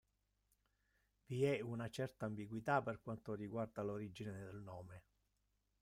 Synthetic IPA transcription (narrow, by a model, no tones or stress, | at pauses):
viɛunat͡ʃɛrt̪aːmbiɡwit̪aperkwant̪oriɡward̪aloɾid͡ʒineed̪elnɔːme